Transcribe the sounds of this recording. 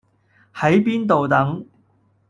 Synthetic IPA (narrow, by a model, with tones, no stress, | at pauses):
hɐ˨˥jpiː˥nt̪o˨wt̪ɐ˨˥ŋ